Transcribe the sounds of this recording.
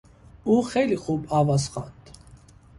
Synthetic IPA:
uχɛliχubavasχa̰nt̪ʰ

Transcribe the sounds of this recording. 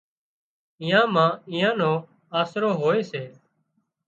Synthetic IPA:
ɪ̃jãːmãːɪ̃jãːnõː | aːsɾoːɦoːeːseː

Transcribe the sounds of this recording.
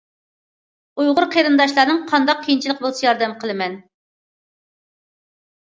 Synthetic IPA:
ujʁʊɾqʰeɾɨnd̪ɑʃlˠɑɾnɨŋqʰɑnd̪ɑq̚ʲʰːejint͡ʃʰilˠəqbolˠsɨjɑɾd̪ɛmqʰəlˠɨmɛn

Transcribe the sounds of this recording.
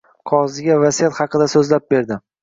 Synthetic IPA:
qʰɒʁzɪɡʲavasijat̪hɑqɨd̪asɵzlap̚be̞ɾd̪ɪ

